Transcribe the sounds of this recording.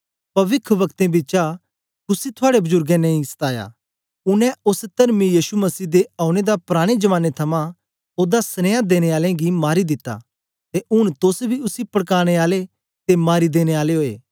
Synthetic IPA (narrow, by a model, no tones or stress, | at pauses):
pɐʋɪkʰʋɐkt̪ẽbiːt͡ʃa | kʊsit̪ʰʊaːɽebʊzʊɾɡɛ̃nɐ̃ːĩsɐ̥t̪aːja̰ | ʊnɛ̃ʊst̪ɐɾmijiːsumɐsiːd̪eaːʊɽ̃ed̪apɾaːɽ̃ed͡ʒɐʋaːnːet̪ʰɐmã | oːd̪asɐneːad̪eːɽ̃eaːlẽɡimaːɾid̪ɪt̪ːa̰ | t̪eʔʊɽ̃t̪ʊsbʱiʊsipɐɽkaːɽ̃eaːle | t̪emaːɾid̪eːɽ̃eaːleɦoːḛː